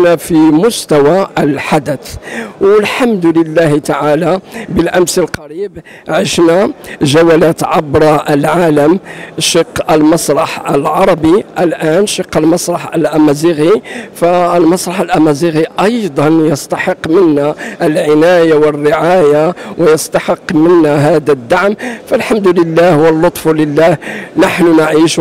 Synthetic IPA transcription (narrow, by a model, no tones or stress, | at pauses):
næfimʊst̪æwalħad̪ət̪wəlħamd̪ləlːæht̪aʕalabəlʔæmsəlqɑɾib | ʕəʃnaʒæwælæt̪ʕɑbɾˤɑʔəlʕaləmʃəqːəlmɑsˤɾˤɑħəlʕɑɾˤɑbiʔəlʔænʃiqːəlmɑsˤɾˤɑħəlʔæmæziɣifælmɑsˤɾˤɑħəlʔæmæziɣiʔɑjd̪ˤɑnjəst̪ɑħəqːmənːæʔlʕɪnæjawərːəʕajawjəst̪ɑħəqːmənːæɦæd̪æd̪ːaʕmfælħamd̪ləlːæhwəlːot̪ˤfuləlːæhnaħnʊnaʕiʃ